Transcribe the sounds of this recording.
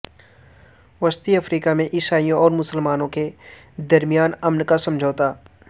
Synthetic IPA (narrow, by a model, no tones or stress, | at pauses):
ʋɐst̪iɐfɾiːkamẽʔɪsaːijõʔɔːɾmʊsəlmaːnõke | d̪ɐɾmijaːnɐmnkasɐ̃md͡ʒʱoːt̪aː